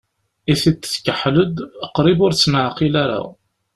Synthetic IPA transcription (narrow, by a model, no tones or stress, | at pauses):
iθit͡sːə̥kəħləd̪əqɾibʊɾt͡sːnʕqilaɾa̰